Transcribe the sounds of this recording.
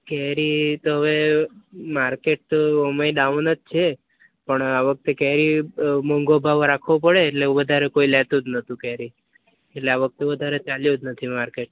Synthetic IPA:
kɛɦɾit̪oɦəʋe | maɾkeʈ̚t̪oomaiɗaʋnət̪̚t͡ʃʰe | pəɳaʋək̚t̪ekɛɦɾiməŋɡobʱaʋɾakʰʋõpəɽeːʈleũʋəd̪ʱaɾekoilɛt̪ud͡ʒnət̪ũkɛɦɾi | eʈleaʋək̚t̪eʋəd̪ʱaɾet͡ʃaljod͡ʒnət̪ʰimaɾkeʈ̚

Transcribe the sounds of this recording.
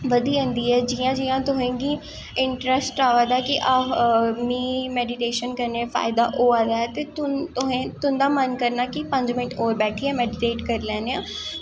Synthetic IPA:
ʋəd̪iːə̃nd̪iːɛːd͡ʒiːãːd͡ʒiːãːt̪ʊɦẽːɡiː | ɪɳʈɾɛsʈaːʋaːd̪aːkɪʔaːmiːmɛːɖɪʈeːʃənkəɾneːfʰa̰ːɪd̪aːʔoːaːd̪aːɛːt̪eːt̪ʊt̪ʊɦẽːt̪ʊnd̪aːmənkəɾnaːkɪpə̃ɲd͡ʒmɪnɪʈʰoːɾbɛːʈʰiːɛːmɛːɖɪʈeːʈkəɾlɛ̃ːneãː

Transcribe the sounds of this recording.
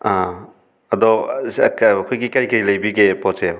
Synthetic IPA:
a | ɐd̪ɔkːkʰojɡikaɾikɐɾilɐjbiɡepɔtse

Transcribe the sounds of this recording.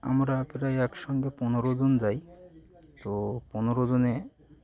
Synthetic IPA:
a̰mɾapeɾajɛkʃɔŋɡeponoɾod͡ʑond͡ʑaj | t̪oponoɾod͡ʑone

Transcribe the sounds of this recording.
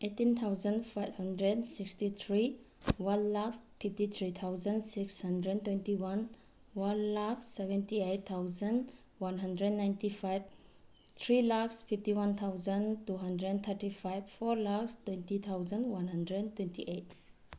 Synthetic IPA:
etint̪ʰawzənfʰajbhandɾɛdsikstit̪ʰɾiwanlakpʰiftit̪ʰɾit̪ʰawzənsikshandɾɛntwɛntiwan | wanlaksɛbɛ̃ntiejt̪ʰːawzən | wanɦandɾɛdnːajntipʰajb | t̪ʰɾilakspʰiftiwant̪ʰawzəntuɦandɾɛnt̪ʰəɾtipʰajbfʰɔɾlakstwɛntit̪ʰawzənwanɦandɾɛdtwɛntiʔet̚

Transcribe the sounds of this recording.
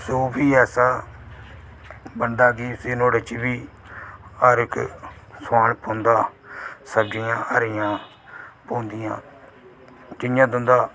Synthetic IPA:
soːbiːɛːsaː | bənd̪aːɡiːseːnoːɽət͡ʃbiː | aːɾɪksaːɳpõːnd̪aːsəbd͡ʒɪjãːəɾɪjãː | põːnd̪ɪjã̰ː | d͡ʒɪjãːd̪ʊ̃nd̪aː

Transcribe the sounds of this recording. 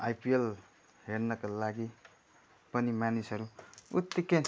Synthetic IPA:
ajpiel | ɦeɾnʌkalaɡi | pʌnimjanisɦʌɾuut̪ːiken

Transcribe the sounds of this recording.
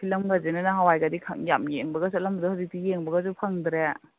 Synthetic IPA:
kʰilɐmɡazinanaɦawajɡadikʰa̰ŋjamjeŋbɐɡɐsatlambɐdɔhazik̚dijeŋbɐɡɐzupʰaŋd̪ɾe

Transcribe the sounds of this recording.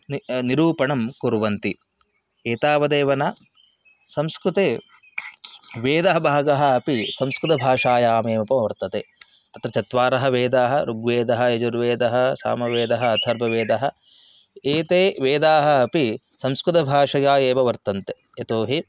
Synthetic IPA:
niɾuːpɐɳɐmkuɾʋɐnt̪i | eːt̪aːʋɐd̪eːʋɐnaː | sɐmskɾut̪eː | ʋeːd̪ɐɦɐbʱaːɡɐɦɐ̆ɐpisɐmskɾut̪ɐbʱaːʂaːjaːmeːmɐpɐmɐʋɐɾt̪ɐt̪eː | t̪ɐt̪ɾɐt͡ʃɐt̪ʋaːɾɐɦɐʋeːd̪aːɦɐɾuɡʋeːd̪ɐɦɐ̆ed͡ʒuɾʋeːd̪ɐɦɐsa̰ːmɐʋeːd̪ɐɦɐɐd̪ʱʰɐɾbʱɐʋeːd̪ɐɦɐ̆ | eːt̪eːʋeːd̪aːɦɐ̆ɐpi | sɐmskɾut̪ɐbʱaːʂɐjaːjeːmɐʋɐɾt̪ɐnt̪e | et̪oːɦi

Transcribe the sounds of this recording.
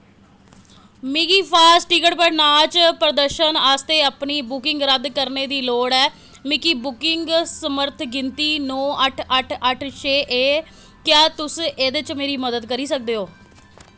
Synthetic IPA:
miɡiːpʰaːsʈiːkəɽpəɾnaːlt͡ʃpɾəd̪əɾʃənaːst̪eːəpniːbʊkɪŋɡɾəd̪kəɾneːd̪iːloːɽɛː | mɪkiːbʊkɪŋɡsəməɾt̪ʰɡɪnt̪iːnɔ̃ːʔəʈʰəʈʰəʈʰt͡ʃʰeːʔeː | kjaːt̪ʊseːd̪ɪt͡ʃmeːɾiːməd̪əd̪kəɾiːsək̚d̪eːɦoː

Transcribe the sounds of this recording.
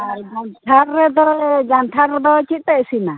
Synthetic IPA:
d͡ʒant̪ʰaɾːɛd̪ɔd͡ʒant̪ʰaɾɛd̪ɔt͡ʃit̪̚ˀt̪ɛʔsina

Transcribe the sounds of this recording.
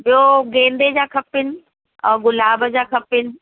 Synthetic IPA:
ɓijoɡẽːnd̪ed͡ʑaːkʰɐpɪnɪ̆ | ɛ̃ːɡʊlaːbəd͡ʑaːkʰɐpɪnɪ̆

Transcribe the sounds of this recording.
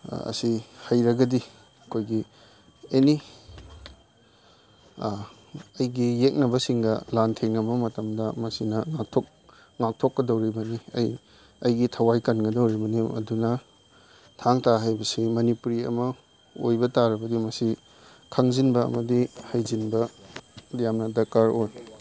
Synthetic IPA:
ɐ̰sihajɾɐɡɐdi | ɐkʰojɡi | eni | ɐjɡijek̚nɐbɐsiŋɡɐlantʰeŋɐmɐmɐtɐmdɐmɐsinɐŋak̚tʰok̚ | ŋak̚tʰokːɐdɐwɾibɐniɐ̰j | ɐjɡitʰɐwajkɐnɡɐdɐwɾibɐniɐ̰dunɐ | tʰaŋtaɦajbɐsimɐnipuɾiɐ̰mɐ | ojbɐtaɾɐbɐdimɐsi | kʰɐŋzinbɐɐ̰mɐdihajzinbɐ | jamnɐdɐkaɾoj

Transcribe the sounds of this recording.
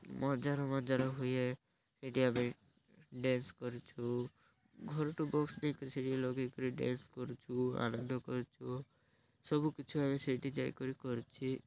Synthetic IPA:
mɔd͡ʒaɾɔmɔd͡ʒaɾɔɦuje | seʈiame | ɖẽnskɔɾit͡ʃʰu | ɡʱɔɾʈubɔksnəĩkɔɾiseʈilɔɡikɔɾiɖḛ̃nskɔɾut͡ʃʰua̰nə̃nd̪ʱɔkɔɾut͡ʃʰu | sɔbukit͡ʃʰuameseʈid͡ʒajkɔɾikɔɾut͡ʃʰi

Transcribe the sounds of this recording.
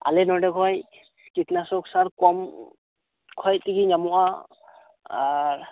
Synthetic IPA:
a̰lɛnɔdɛkʰɔj | skitnasɔksaɾkɔm | kʰɔjtiɡiɲamuʔa | aɹ

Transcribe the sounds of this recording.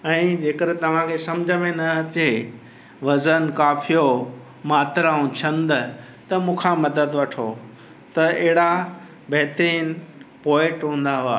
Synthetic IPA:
ɛ̃ːd͡ʑeːkəɾt̪ɐʋ̤ãkʰesɐmd͡ʑʱəmẽnɐɐt̪e | ʋɐzənkaːfʰijo | maːt̪ɾaːũt͡ɕʰɐ̃nd̪ | t̪ɐmũːkʰãmɐd̪əd̪ʋɐʈʰo | t̪ɐɐɦɪɽa | bɐɦt̪ɾiːnpɔːɪ̃ʈɦũːn̆d̪aɦʊaː

